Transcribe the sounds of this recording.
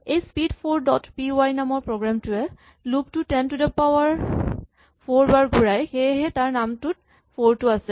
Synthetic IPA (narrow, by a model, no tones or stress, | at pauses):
ejspidpʰoɹdɔtpioajnamɔɹpɹoɡɹamtuɛ | luktutɛntudɛpawaɹ | pʰoɹbaɹɡʱuɹajxejɦɛtaɹnamtut̚ | pʰoɹtuasɛ